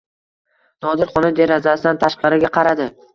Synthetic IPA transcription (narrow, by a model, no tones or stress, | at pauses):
nɒd̪ɪɾχɒnɪd̪e̞ɾazasɪd̪ant̪ʰaʃqɑɾɪɡʲaqʰɑɾad̪ɪ